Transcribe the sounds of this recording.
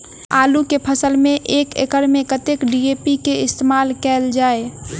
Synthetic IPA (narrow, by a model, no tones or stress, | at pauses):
aːlukepʰəsəlmẽʔeːkḛkəɾmẽkət̪ekɖieːpikeɪst̪eːmaːlkɛːld͡ʒaːe